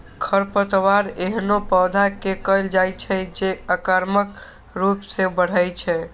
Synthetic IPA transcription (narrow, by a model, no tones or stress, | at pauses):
kʰəɾpət̪ʋaɾeɦnopɔːd̪ʱakekəjld͡ʒajt͡ʃʰɛd͡ʒeəkəɾmək | ɾupsebəɽ̤əjt͡ʃʰɛ